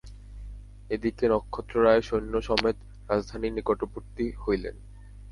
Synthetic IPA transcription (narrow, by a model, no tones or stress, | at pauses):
ed̪ikenɔkʰːot̪ːɾoɾaeʃojnːoʃɔmet̪ | ɾad͡ʑd̪ʱaninikoʈopuɾt̪ihojlḛn